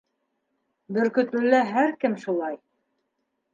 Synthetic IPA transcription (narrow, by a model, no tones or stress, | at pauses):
bɵ̆ɾkɵ̆t̪lɵ̆lːæɦæɾkɘmʃulˠɑj